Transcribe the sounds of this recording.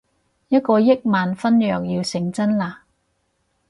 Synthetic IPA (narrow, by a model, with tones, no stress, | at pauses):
jɐ˥t̚kɔː˧jɪ˥k̚maː˨nfɐ˥njœː˨k̚jiː˧wsɪ˨˩ŋt͡sɐ˥nlaː˧˩